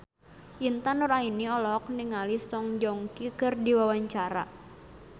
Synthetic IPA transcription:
ʔint̪anʊrainiɔlɔk̚niŋalisɔŋd͡ʒɔŋkikərdiwawaɲt͡ʃaɾa̰

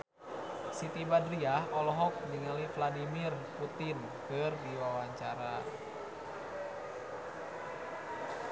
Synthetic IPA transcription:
sit̪ibadɾiahɔlɔɦɔk̚niŋalifladimirput̪in | kərdiwawaɲt͡ʃaɾa

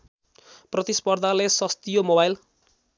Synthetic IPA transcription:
prʌt̪ispʌrd̪ʱalesʌst̪ijomobajl

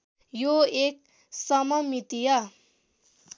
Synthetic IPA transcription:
joek̚ | sʌmʌmit̪ijʌ

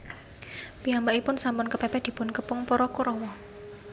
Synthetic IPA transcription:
piɦambaʔipʊnsampʊnkəpɛpɛd̪̥i̤pʊnkəpʊŋpɔɾɔkoɾɔwɔ

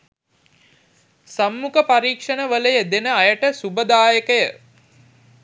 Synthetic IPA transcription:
samːukəpaɾiːkʂənəʋələjəd̪enəajəʈəsubəd̪aːjəkəjə

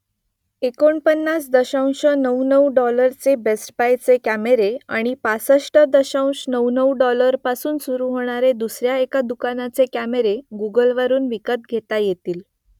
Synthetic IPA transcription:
ekoɳpənːasd̪əɕaw̃ɕənəwnəwɖɔləɾt͡sebesʈpajt͡sekæmeɾea̰ɽ̃ipasəʂʈəd̪əɕãw̃ɕnəwnəwɖɔləɾpasuːnsuɾuːɦoɽ̃aɾed̪usɾjaekad̪ukanat͡sekæmeɾeɡuɡəlʋəɾuːnʋikət̪̚ɡʱet̪ajet̪iːl

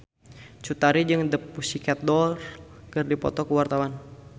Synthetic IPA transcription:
t͡ʃut̪aɾid͡ʒɨŋdəpːusikat̪̚dɔrkɨrdipɔ̰t̪ɔkuwart̪awan

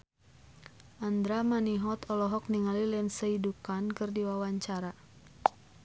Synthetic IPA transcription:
ʔand̪ɾamaniɦɔt̪ɔlɔɦɔk̚niŋalilɛnsəidupankɨrdiwawaɲt͡ʃaɾa

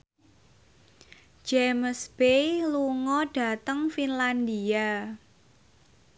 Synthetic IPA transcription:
d͡ʒemsb̥eluŋɔɖ̥ä̤t̪əŋfinland̪ia

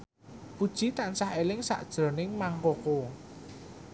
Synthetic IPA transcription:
pud̥ʒ̥i̤t̪ansahelɪŋsa̰ʔd̥ʒ̥ɾɔ̤nɪŋmaŋkoko

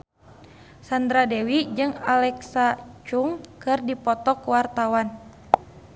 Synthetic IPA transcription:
sand̪ɾadɛwid͡ʒɨŋalɛksat͡ʃuŋkɨrdipɔt̪ɔkwart̪awan

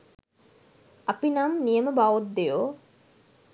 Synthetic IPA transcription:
apinamnijəməbaʋot̪̚d̪ejoː

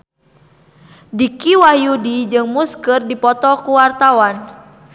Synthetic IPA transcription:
dikiwajudid͡ʒɨŋmuskɨrdipɔt̪ɔkuwart̪awan

